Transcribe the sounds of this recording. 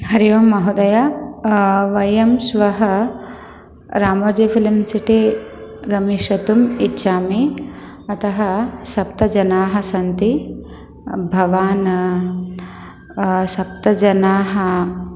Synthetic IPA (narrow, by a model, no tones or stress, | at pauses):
hɐɾjoːmɐɦud̪ɐja | ʋɐjɐmsʋɐɦɐ | ɾaːmɐːd͡ʒifʰilimsiʈiɡɐmiʃɐt̪umitːʃʰaːmi | ɐt̪ɐɦɐʃɐp̚t̪ɐd͡ʒɐnaːɦɐsɐnt̪i | bʱɐʋaːn | ʃɐp̚t̪ɐd͡ʒɐnaːɦɐ